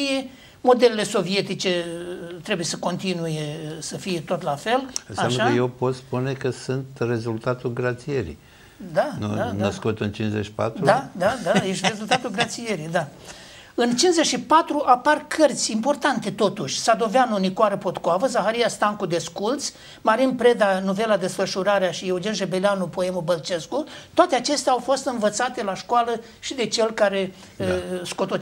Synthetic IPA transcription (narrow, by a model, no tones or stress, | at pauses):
mo̞d̪e̞lele̞so̞vie̞t̪it͡ʃe̞t̪ɾe̞bujesəko̞nt̪inujesəfije̞t̪o̞t̪lafe̞lɨnsaamnʃakəjewpo̞t̪spune̞kəsɨnt̪re̞zult̪at̪ulɡɾat̪sijeɾḭ | d̪anuanəskut̪ɨnt͡ʃinzet͡ʃʃi̥pa̰t̪ɾud̪ad̪ad̪ajeʃt̪re̞zult̪at̪ulɡɾat̪sijeɾid̪a | ɨnt͡ʃinzet͡ʃʃipat̪ɾuʔaparkʰərt̪sʲimpo̞rt̪ant̪e̞t̪o̞t̪uʃʲsad̪o̞veanunikwaɾəpo̞t̪koavəzaxaɾijast̪aŋkud̪e̞skult̪sʲ | maɾinpɾe̞d̪anove̞lad̪e̞sfəʃuɾaɾeaʃieud͡ʒenʒebeleanupoe̞mubəlt͡ʃe̞skut̪oat̪eat͡ʃe̞st̪eawfo̞st̪ɨnvət̪sat̪e̞laʃkoalə | ʃid̪e̞t͡ʃe̞lkaɾe̞ | skot̪o